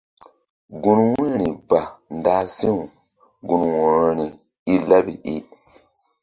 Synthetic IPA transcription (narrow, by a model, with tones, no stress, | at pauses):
ɡu˨nwũ˦ɾi˨ba˨n˦da˦si˦ŋu˨ | ɡũ˨nwu˨ɾo˦ni˨ | i˦la˦bi˨ʔi˦